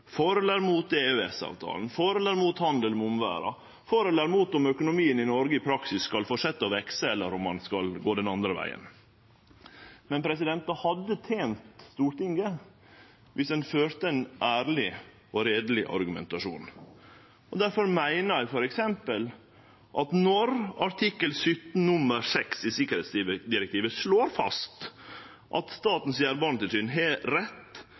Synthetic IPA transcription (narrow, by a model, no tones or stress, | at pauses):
foːɾəlæɾmuːt̪eːʉːɛsɑ̰ːʋt̪ʰɑ̰ːln̩foːɾələɾmuːt̪hɑnd̪əlmɛʊmʋæ̰ːɾɑ̰ | foːɾəlæːɾmuːt̪ɔmœkʊnʊmiːənɪnɔɾɡəɪpʰɾɑksɪsːkɑlfɔʂɛt̪ːəɔʋɛksəɛlːəɾɔmːɑnskɑlɡoːd̪ɛnɑnd̪ɾəʋæ̰ɪə̰n | mɛnpʰɾɛs̬ɪd̪ɛnt̪ɑhɑd̪ːət̪ʰeːnt̪st̪uːɾʈ̪ɪŋɡə | ʋʔɪsd̪ɛnføːɾt̪əɛnʔæːɾlɪ | ɔɾeːd̪l̩ɪʔɑ̰ɾɡʉmɛ̰nt̪ɑʂṵːn | ʔɔd̪æɾfɔɾmæɪnəɾæɪfɔɾɛksɛmpəl | ʔɑt̪nɔɾɑɾʈ̪ʰɪkːəlsʏt̪n̩nʉməɾsɛksɪsɪkəɾeːt̪sid̪ɪɾɛkt̪ʰiːʋəsloːɾfɑ̰st̪ | ʔɑ̰t̪st̪ɑːt̪n̩sjæːɾbɑɳt̪ɪlsyːnɦɛɾɛt̪ː